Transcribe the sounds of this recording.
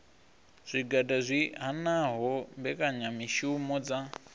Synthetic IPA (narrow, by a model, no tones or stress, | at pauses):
z̥ʷiɡadazʷiɦanaɦɔmbɛkaɲamiʃumɔd͡za